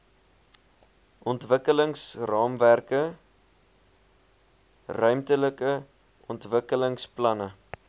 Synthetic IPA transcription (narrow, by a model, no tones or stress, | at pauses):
ʔɔntvəkələŋsrɑːmværkə | rœɥmtələkə | ʔɔntvəkələŋsplɐnə